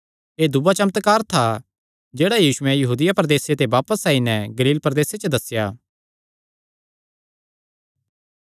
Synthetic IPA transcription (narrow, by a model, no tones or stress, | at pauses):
eːd̪ʊbat͡ʃɐmət̪kaːɾt̪ʰa | d͡ʒeːɽajiːʃʊɛ̃jɐɦuːd̪ɪjapɾəd̪eːset̪eʋaːpəsːãːinɛɡɐliːlpɾəd̪eːset͡ʃəd̪ɐsjaː